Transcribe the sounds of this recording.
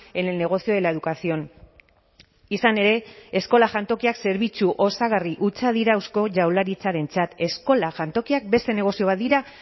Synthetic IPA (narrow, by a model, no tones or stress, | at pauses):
ennːe̞ɣ̞o̞sioelaeðukasio̞n | isane̞ɾe̞ːsko̞laʝant̪o̞kiakse̞ɾβit͡suʔo̞saɣ̞ariʔut͡sað̞iɾaːwsko̞ʝawlaɾit͡saɾe̞nt͡sat̪e̞sko̞laʝant̪o̞kiak̚be̞st̪e̞ne̞ɣ̞o̞sio̞β̞at̪d̪iɾa